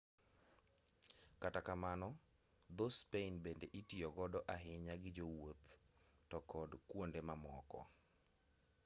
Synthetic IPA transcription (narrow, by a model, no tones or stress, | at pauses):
katakamanɔ | d̪ospeɪnbendeʔitiɔɡɔdɔʔaɦɪɲaɡɪd͡ʒowot̪ː | ɔkɔdkwondemamɔkɔ̰